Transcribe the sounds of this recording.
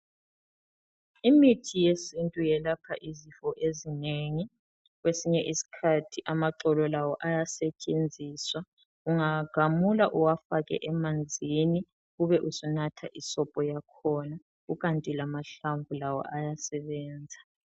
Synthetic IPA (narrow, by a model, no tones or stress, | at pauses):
imitʰijesintʼujɛlapʰaʔizifɔʔezineŋi | ɣwesiɲɛʔisi̥kʰatʰiʔamaǁɔlɔlawɔʔajasɛt͡ʃʼend͡zʱiːswa | uŋaɡ̥ʱamulaʔuwafaɣɛ̰ʔɛmand͡zʱini | ɣuβɛʔusɔnatʰaʔisɔpʼɔjakʰɔna | ɣuɣantʼilamaɬaɱvulawɔ̰ʔajasɛβɛːnd͡zʱa